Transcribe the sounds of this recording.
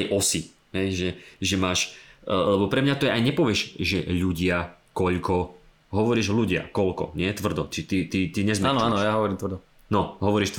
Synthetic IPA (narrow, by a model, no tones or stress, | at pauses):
jʔɔsi | ɦɛjʒɛʒɛmaːʃlɛbɔpɾɛmɲat̪ɔjɛajɲɛpɔʋɪɛʃʒɛʎuɟɪakɔʎkɔ | ɦɔʋɔɾiːʒluɟɪa̰kɔlkɔ̰ɲɪɛt̪ʋr̩d̪ɔt͡ʃit̪it̪it̪iɲɛzmiaːnɔaːnɔjaɦɔʋɔɾiːmt̪ʋɾd̪ɔ | nɔɦɔʋɔɾiːʃt̪